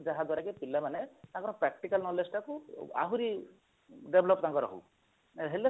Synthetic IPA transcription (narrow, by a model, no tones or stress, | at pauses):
d͡ʒaɦad̪waɾakepilːamanet̪ãkɔɾɔ̃pɾɛk̚ʈikalnɔlesʈakua̰ɦuɾi | ɖebʱlɔpt̪ãŋkɔɾɔ̰ɦṵ | ɦele